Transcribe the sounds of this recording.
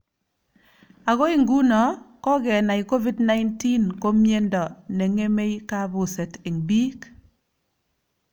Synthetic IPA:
a˨ɣɔ˦i˦˨ŋɡu˦nɔ˨kɔ˦ɡɛ˨na˨i˨ko˦vi˦dna˦jnti˦nko˦mje˦ndɔ˨nɛ˨ŋe˦me˦jka˦bʊ˨se˨tɪ˨ŋbi˦k

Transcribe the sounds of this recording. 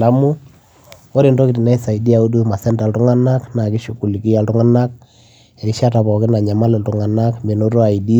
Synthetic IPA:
la˦mu˦ | o˦ɾe˨ndo˦ki˨ti˨na˦i˦sa˨i˨di˦a˨u˦du˦ma˨sɛ˦nta˨ltʊ˦ŋa˦na˦kna˨kɪ˦ʃu˨ku˨li˨ki˦a˨ltʊ˦ŋa˦na˦k̚ | e˨i˦ʃa˦ta˨pɔ˨kɪ˦na˨ɲa˨ma˦lɛ˨ltʊ˨ŋa˨na˦kme˨no˦ɾo˦a˨i˨di˦

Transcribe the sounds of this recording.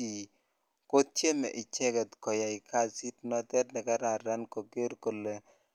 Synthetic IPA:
i˨ | ko˦t̚t͡ʃe˦mɛ̰˨ʔɪ˨t͡ʃɛ˦ɡɛ˨t̪kɔ˨ja˨ɪ˨kʰa˦˨si˦tnɔ˦tɛ˦tnɛ˨ka˦ɾa˨ɾa˦nko˨ɡe˦ɾko˨le˨

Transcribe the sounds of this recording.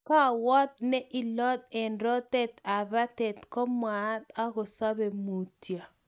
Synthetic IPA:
ka˦˨wɔ˦t̪̚nɛ˦ʔi˨lɔ˦t̪̚ɛ˨nɾɔ˦t̪ɛ˦t̪a˨βa˦t̪ɛ˨t̪kɔ˦ma˨˦t̪a˦ɡo˨sa˦be˨mu˨tja˨

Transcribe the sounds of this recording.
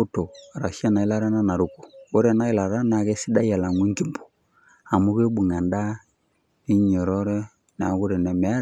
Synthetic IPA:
u˦to˨ɾa˨ʃja˦na˨i˦la˦ɾa˦na˦na˨ɾu˨ku̥˨o˦ɾɛ˨na˦i˦la˨ɾa˦na˨ɣɛ˦si˦da˦ja˨la˨ŋu˦ŋɡi˦˨mbu̥˨ | a˨mu˦ɣe˦ɓu˨ŋa˨nda˦ | ni˦ɲɔ˨ɾɔ˦ɾɛ˦ | na˨˦ɣu˦ɾɛ˨nɛ˨m˨a˦ɾ

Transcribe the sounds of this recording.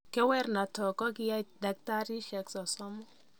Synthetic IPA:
kɛ˦wɛ˦rna˨tɔ˨kɔ˦ɡɪ˦ja˦da˨k̚ta˦ɾi˦ʃɛ˨ksɔ˨sɔ˦mɔ˦

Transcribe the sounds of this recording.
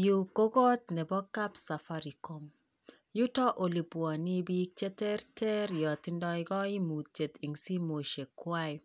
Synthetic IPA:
ju˨ko˦ɡɔ˦t̪nɛ˨bɔ˦ka˦psa˨fa˦ɾi˨ko˨m | ju˦tɔ˦ʔo˨li˨pwa˨ni˦bi˦k̚t͡ʃe˦tɛ˦ɾtɛ˦ɾjɔ˨t̪ɪ˦ndɔ˦ɪɡɔ˦i˦mu˨t̚t͡ʃe˨t̪i˨ŋsi˦mo˨ʃe˨kwa˦ɪ˦

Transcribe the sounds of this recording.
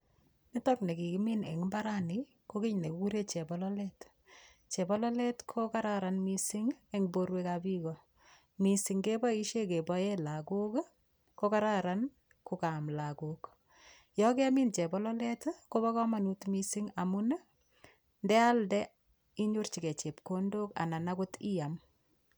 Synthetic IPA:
ni˦tɔkne˨ki˨ki˦mi˦nḛ˨ŋimba˦ɾani | ko˦ki˦ɲne˨kku˦ɾe˦t͡ʃɛ˨bɔ˦lɔlɛt | t͡ʃe˨bɔ˦lɔ˦lɛ˦tkʰoka˦ɾaɾanmisi˦ŋeŋboɾwekabikɔ | misi˨ŋɡe˦bɔ˦iʃe˦ke˨bɔ˦jela˨ko˦k | koka˦ɾaɾan | kuka˨mlakok | jɔkɛ˦mi˦nt͡ʃɛ˨bɔ˦lɔ˦lɛ˦tko˦ba˦kɔ˦ma˨nutmisi˦ŋa˨mu˦n˦ | ndɛ˦a˦ldɛ˦ | i˦ɲo˦rt͡ʃi˨kɛ˨t͡ʃe˨p̚kondo˦ka̰˨na˨na˦ko˦ti˦ja˨m

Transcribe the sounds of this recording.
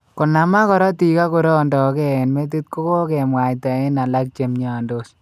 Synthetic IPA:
kɔ˨na˨ma˦kɔ˨ɾɔ˦ti˨ka˦ku˨ɾɔ˦˨ndɔ˨kɛ˦ɛ˨nme˦t̬i˦t̚ko˦ko˦kɛ˨mwa˨jta˨e˦na˨la˦k̚t͡ʃe˨mɲa˨ndo˦s

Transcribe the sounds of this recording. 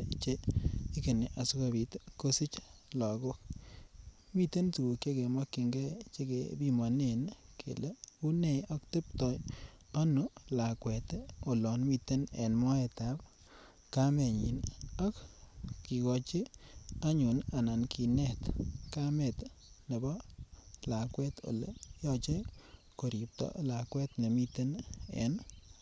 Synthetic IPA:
t͡ʃe˦i˦ke˨ne˨ʔa˨su˦ka˨bi˨tko˦si˦t͡ʃ | lɔ˨ɡʊ˦k | mi˦˨te˦ntu˨o˨ke˦ke˨mɔ˦kːi˨ŋɡɛ˦t͡ʃe˦ke˨bi˦ma˨ne˨nkʰḛ˨le˦u˦ne˦˨ɔ˦kte˦p̚tɔ˦j | ɔ˦nʊ˦la˨kwɛ˨te˦o˨lɔ˨nmi˨te˦nɛ̰˨nmɔ˦ɛ˨ta˨˦p̚ | ka˦mɛ˨ɲi˨nɔ˦kkːi˨ɡɔ˨t͡ʃi˦a˦ɲu˨na˨na˨nkʰi˨nɛ˦t̪ka˦mɛ˨t̪ | ne˨bɔ˦la˨kwɛ˦t̪o̰˨lejɔ˦t͡ʃe˦ | ko˨ɾi˨p̚tɔ̰˦la˨kwɛ˦tne˨mi˦te˦nɛ̰˨n

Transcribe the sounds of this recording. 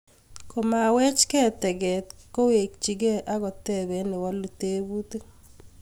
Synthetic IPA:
ko˨ma˨wɛ˦t͡ʃkɛ˦tɛ˨ɡɛ˨t̪ko˦we˨k̚t͡ʃi˨ɡɛ˦ʔa˦ɣɔ˨tɛ˦bɛ˨nɛ˨wa˦lu˨te˦bu˦t̪e˦

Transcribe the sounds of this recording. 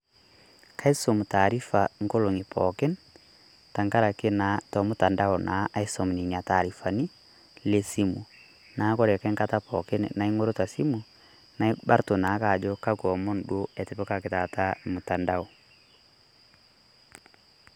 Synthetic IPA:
kʰa˦i˦so˨mu˨ta˨ɾi˦fa˨ŋko˦lo˨ŋi˨pʰɔ̰˨kɛ˦n | ta˨ŋka˦ɾa˨ke˦na˨˦tɔ˨mʊ˦ta˨nda˦ɔ˨nʔa˨˦ʔa˦i˦sɔ˨m˨ni˨ɲa˨ta˨ɾi˨fa˨ni˦ | le˦si˦mṵ˨ | na˨˦kɔ˦ɾɛ˨ka˦ŋka˦ta˦pɔ̰˨kɛ˦n̰˨na˨i˦ŋo˦ɾo˦ta˨si˦mu˨ | na˨i˦ba˦ɾto˨na˨˦ka˨d͡ʒɔ˦ka˦kɔ˨mɔ˦n̩dwo˦ɛ˨te˨pɔ˦ka˨ke˨ta˨ta˦mu˨ta˨nda˦ɔ˨

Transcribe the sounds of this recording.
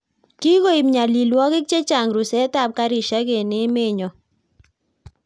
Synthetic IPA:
ki˦ɣo˦i˨mɲa˨li˨lwɔ˦kɪ˦k̚t͡ʃe˦t͡ʃa˨ŋɾu˨sɛ˦ta˦˨p̚ka˦ɾi˨ʃa˦ke˨ne˦me˦˨ɲɔ˨

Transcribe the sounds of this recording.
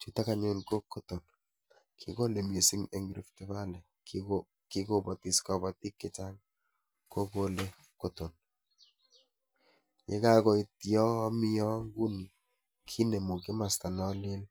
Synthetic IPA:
t͡ʃu˦ta˦ka˦ɲo˦nko˦kːo˦to˨n | kʰɪ˨ko˦le˨m˨e˨si˦ŋe˨ŋɡɾi˦ftɛ˦βa˦lɛ˨ | kɪ˦ko˦bɔ˨ti˨skɔ˨bɔ˨ti˦kːɪ˨t͡ʃa˦ŋ | ko˦ko˦le˦ | ko˦to˨n | je˦ka˦kɔ˨i˨ti˦ɔ˦mi˦jɔ˦ŋɡu˦ni˨ | kʰi˦ne˨mu˨kɪ˦ma˨sta˨nɔ˦lɪ˦l

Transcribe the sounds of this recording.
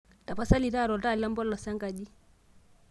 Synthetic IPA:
ta˨pa˦sa˦li˨ɾa˦˨ɾɔ˨lda˦˨la˦mbɔ˦lːɔ˨sa˦ŋɡa˨d͡ʒi˦

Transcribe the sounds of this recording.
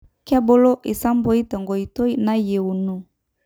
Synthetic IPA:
ka˦bo˦lɔ˦ʔi˨sa˦mbɔ˦i˦ta˨ŋɡɔ˨i˨tɔ˦i˦na˦je˨u˨nu˨

